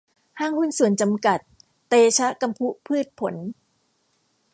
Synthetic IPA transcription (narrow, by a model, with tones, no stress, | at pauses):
haː˥˩ŋhu˥˩nsu˨˩˦ənt͡ɕa˧mka˨˩t̪̚ː | eː˧t͡ɕʰa˦˥ʔka˧mpʰu˦˥pʰɯː˥˩t̪̚pʰo˩˦n